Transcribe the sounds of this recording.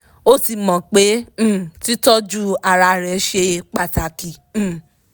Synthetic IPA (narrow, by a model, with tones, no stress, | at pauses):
o˦ti˧mɔ̃˨k͡pẽ˦˨ti˦tɔ˦d͡ʒu˦a˧˨ɾa˧˨ɾɛ˨˦ʃe˧k͡pa˧˨ta˨kĩ˨˦˨